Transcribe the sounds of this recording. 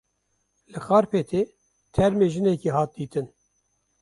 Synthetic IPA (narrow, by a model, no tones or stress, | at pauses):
lɨxɑːɾpeːt̪ʰeː | t̪ʰɛɾmeːʒɨnɛkiːɦɑːt̪̚d̪iːt̪ɨn